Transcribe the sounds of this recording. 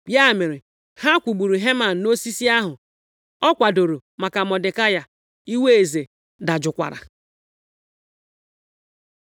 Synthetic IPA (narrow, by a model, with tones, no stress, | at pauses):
bja˦˨me˨ɾɪ˨ | ha˦kʷu˨ɡ͡bu˨ɾu˨ɦe˦ma˨n̩˨no˦si˦si˦a˦ɦʊ˨ | ɔ˦kʷa˨do˨ɾo˨ma˨ka˨mɔ˨dɪ˨ka˦ja˨ | i˦we˦e˨ze˨ | da˨d͡ʒʊ˨kʷa̰˨ɾa̰˨